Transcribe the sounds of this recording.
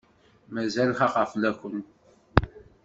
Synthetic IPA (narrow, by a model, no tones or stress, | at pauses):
mæzælχɑqɑflækʷːən